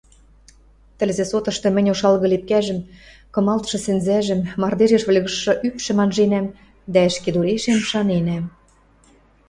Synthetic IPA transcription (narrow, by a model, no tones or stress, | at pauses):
t̪ɘ̆lʲzĕsot̪ɤ̆ʃt̪ɤ̆mɘ̆nʲoʃɑlɣɤ̆lep̚kæʒə̆m | kɤ̆mɑlt̪ʃɤ̆sɘ̆nzæʒɘ̆mːɑrd̪eʒeʃβə̆lʲɣɤ̆ʃːɤ̆ʔypʃɘ̆mɑnʒenæm | d̪æɘ̆ʃked̪uleʃemʃɑnenæm